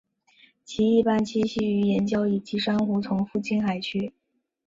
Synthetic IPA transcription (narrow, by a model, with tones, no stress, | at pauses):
t͡ɕʰi˧˥i˥˧pa˥˩nt͡ɕʰi˥ɕi˥˩y˧˥jɛ˧˥nt͡ɕjɑ˥ʊi˨˩t͡ɕi˧˥ʂa˥ŋxu˧˥t͡sʰʊ˧˥ŋfu˥˩t͡ɕʰi˥˩nxa˨˩ɪt͡ɕʰy˥